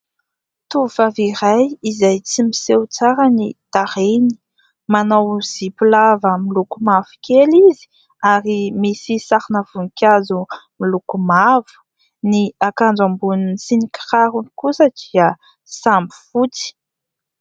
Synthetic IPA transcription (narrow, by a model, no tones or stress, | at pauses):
t̪uufaviɾajizajt͡simisewt͡saɾənit̪aɾeni̥ | manawz̥ipilavəmilukumav̥u̥kʲelizi̥ | aɾimisisaɾinəv̥uŋkʲazumilukumavu̥ | niakand͡zambuninisiniki̥raɾunikusəd̪̥iə | sambi̥fut͡si̥